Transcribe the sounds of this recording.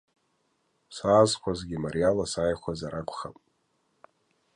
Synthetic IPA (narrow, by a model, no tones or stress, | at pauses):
saːzkʷʰazɡʲimarijalasajχʷazaɾakʷʰʼχapʼ